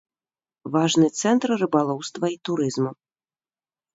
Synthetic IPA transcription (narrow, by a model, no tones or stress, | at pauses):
vaʐnɨt̪sɛnt̪rrɨbalˠɔwst̪vɐit̪uɾɨzmu